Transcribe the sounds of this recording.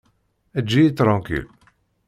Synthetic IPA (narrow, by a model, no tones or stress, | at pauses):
æd͡ʒːiit̪ːɾˤɑ̃kḭl